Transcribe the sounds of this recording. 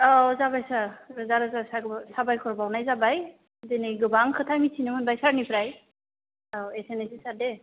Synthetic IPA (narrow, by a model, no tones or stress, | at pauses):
ɔzabajsazaɾɯzasabsabajkʰɔɾbawnajzabaj | denɯjɡɯbaŋkʰɯtʰamitʰinɯmɯnbajsaɾnipʰɾaj | awesenesisaɾde